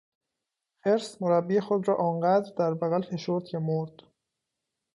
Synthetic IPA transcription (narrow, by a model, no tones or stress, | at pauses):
feɾsmoɾæbːiexod̪ɾɒːʔɒːnɢæd̪ɾd̪æɾbæɣælfe̞ʃoɾd̪̚cʰemoɾd̪̥